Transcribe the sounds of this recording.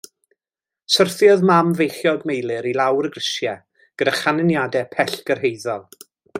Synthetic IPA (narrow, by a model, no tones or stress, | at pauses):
sərθjɔðmamvejχjɔɡmejlˠɨɾilˠawrəɡrɪsjɛ | ɡ̥ədaχanənjadɛpʰɛɬɡ̥ərɦejðɔlˠ